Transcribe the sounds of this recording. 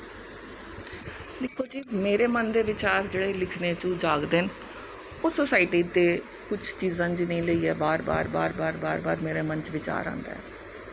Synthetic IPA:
d̪ɪkʰːoːd͡ʒiːmeːɾeːmənd̪eːʋɪt͡ʃaːɾd͡ʒeːɽeːlɪkʰneːt͡ʃũːd͡ʒaːɡd̪ɪn | ʊsəsaːiʈiːd̪eː | kʊt͡ʃʰt͡ʃiːzãːd͡ʒinəĩːləiːɛːbaːɾba̰ːɾba̰ːɾbaːɾbaːɾbaːɾmeːɾeːmənt͡ʃʋɪt͡ʃa̰ːɾã̰ːnd̪a̰ɛ̰ː

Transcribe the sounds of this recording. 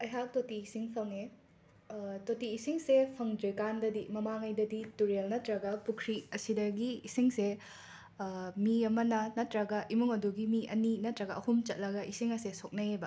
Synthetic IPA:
ɐjɦak̚totiːsiŋpʰɐŋe | totiːsiŋsepʰɐŋd͡ʒojkandɐdimɐmaŋɐjdɐdituɾelnɐtɾɐɡɐpukʰɾiɐsidɐɡiːsiŋse | miɐmɐnɐnɐtɾɐɡɐʔimuŋɐduɡimiɐninɐtɾɐɡɐɐhumt͡ʃɐt̚lɐɡɐʔisiŋɐsesok̚nɐebɐ

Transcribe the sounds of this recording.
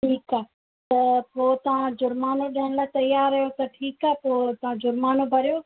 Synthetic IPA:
ʈʰiːkaː | t̪ɐpoːt̪ɐʋ̤ãd͡ʑʊɾmaːnoɗɐɦɪnlaːt̪ɐjaːɾːɐjot̪ɐʈʰiːkaːpoːt̪ɐʋ̤ãd͡ʒʊɾmaːnobʱɐɾijoː

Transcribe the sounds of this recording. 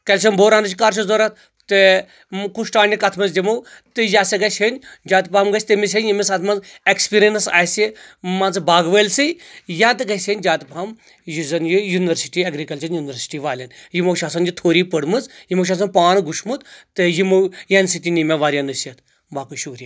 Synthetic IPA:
kɐlʃɐmboːɾaːnɨt͡ʃkaːɾʃ̬ʰuzoɾɐt̪ | t̪ɨ | kuʃʈaːnʲikɐt̪ʰmɐnzdʲimowt̪ɨjaːseɡɐʃʲɐnʲd͡ʒaːt̪pamɡɐt͡ʃʰʲt̪imis̬ʲɐnʲjimisɐt̪ʰmɐnzekspiɾɐnɨsa̰ːsimant͡sbaːɡʋəlsɨjjãːt̪ɨɡɐsʲenʲd͡ʒaːt̪pam | jizɐnjijuniʋɐɾsi̥ʈiɐɡɾikɐlt͡ʃɐnjuːnʲiʋɐɾsi̥ʈiʋaːlʲɐnjimowʃaːsɐnd͡ʒit̪ʰoːɾiːpəɽmɨzjimowʃ̬aːs̬ɐnpaːnɡuʃmut̪t̪ɨjimowjensit̪ʲinimʲeʋaːɾʲjanɨsjɐt̪ʰ | baːkuʃuːɾija

